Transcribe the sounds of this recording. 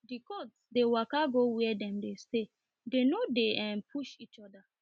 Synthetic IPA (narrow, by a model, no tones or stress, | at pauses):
dikotsdewakaɡowɛɛdɛ̃mdeste | denodeʔɛ̃npʰuʃit͡ʃɔda